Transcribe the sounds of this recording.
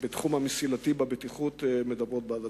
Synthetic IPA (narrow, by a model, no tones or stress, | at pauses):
bet̪χumhamisilatibabet̪iχut̪emed̪abʁo̞t̚beada